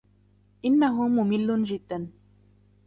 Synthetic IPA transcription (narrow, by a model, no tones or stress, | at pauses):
ʔɪnːaɦʊmʊmɪlːʊnd͡ʒɪd̪ːan